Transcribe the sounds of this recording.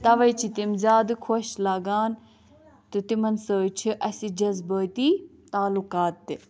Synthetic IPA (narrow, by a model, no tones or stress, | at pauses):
t̪ɐʋɐjt͡ʃʰit̪imzʲaːd̪ɨkʰoʃlaːɡaːn | t̪ɨt̪imɐnsəːt͡ʃʰiʔɐsid͡ʒɐzbəːt̪it̪aːlukaːt̪ːɨ